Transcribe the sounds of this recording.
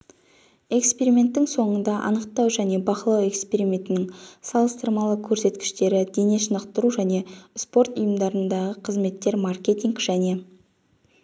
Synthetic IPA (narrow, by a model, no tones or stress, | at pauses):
e̞kspe̞ɾimʲe̞nt̪ːɪŋso̞ɴənd̪ɑʔɑ̰nəqt̪ɑwʒæne̞bɑqəlˠɑwe̞kspe̞ɾimʲe̞nt̪ɪnɪŋsɑlˠəst̪əɾmɑlˠəkʲʰɵɾse̞t̪kʲɪ̥ʃt̪e̞ɾɪd̪e̞ne̞ʃənəqt̪əɾuʒæne̞spo̞ɾt̪ʊjəmd̪ɑɾənd̪ɑʁəqʰəzme̞t̪ːe̞ɾmarkʲe̞t̪iŋkʒ̥æne̞